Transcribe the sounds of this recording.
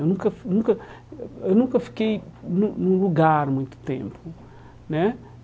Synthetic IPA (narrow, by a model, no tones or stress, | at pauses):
ewnũkɐfnũkɐ | ewnũkɐfi̥kejnũnũluɡaɾmũj̃t̪u̥t̪ḛ̃mpʊ | nɛ